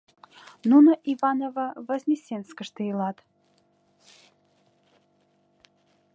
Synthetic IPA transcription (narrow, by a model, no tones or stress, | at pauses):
nunəʔivɑnovəvəzʲnʲesʲenskəʂt̪ɨilˠɑt̪